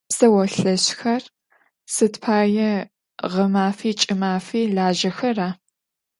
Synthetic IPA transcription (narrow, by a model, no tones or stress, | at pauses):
sɐwɐɬɐɕxɐr | sɨtpʰaːjɛ | ʁɐmaːfiːt͡ʃʼɪmaːfiːɮaːʒɐxɐraː